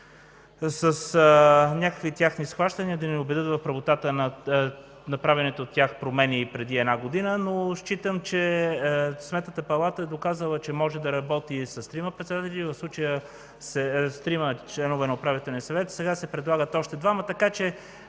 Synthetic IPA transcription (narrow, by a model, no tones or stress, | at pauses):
səsnʲakəkvit̪ʲjaxnisxvaʃt̪əniəd̪ɐnɛobɛd̪ɤt̪vɐfpɾɐvot̪at̪ənɐ | nɐpɾavɛnɛt̪oːt̪ʲːjaxpɾomɛnipɾɛd̪iɛd̪naɡod̪inənoʃt͡ʃit̪əmt͡ʃɛ | smɛt̪nət̪əpɐlˠat̪əɛd̪okazəlˠət͡ʃɛmɔʒɛd̪ɐɾɐbɔt̪isɐst̪ɾiməpɾɛt̪sɛd̪at̪ɛlʲivɐfslˠut͡ʃəjə | sɛst̪ɾimət͡ʃlɛnovɛnɐopɾavit̪ɛlˠniəsɐvɛt̪sɛɡasɛpɾɛd̪lˠaɡət̪ɔʃt̪ɛd̪vamət̪ɐkat͡ʃɛ